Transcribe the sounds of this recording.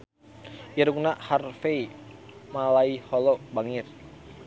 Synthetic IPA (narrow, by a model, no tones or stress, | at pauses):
iɾuŋnaʔharfeimalaihɔlɔbaŋir